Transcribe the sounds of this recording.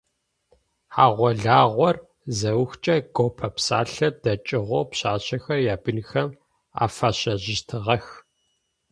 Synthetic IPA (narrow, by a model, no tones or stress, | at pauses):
ħaːʁʷɔɮaːʁʷɔr | zɐwxt͡ʃʼɐɡopʰɐpsaːɬɐdɐt͡ʃʼɪʁʷowpɕaːɕɐxɐrjaːbɨnxɐm | a̰ːfaɕɐʑɪʃtʰɨʁɐx